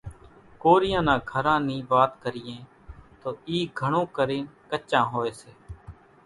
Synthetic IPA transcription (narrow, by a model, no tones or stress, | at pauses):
koːɾɪjãːnãːɡʱəɾãːnĩːʋaːt̪kəɾɪjẽː | t̪oːiːɡʱəɳõːkəɾeːnkət͡ʃːãːɦoːeːseː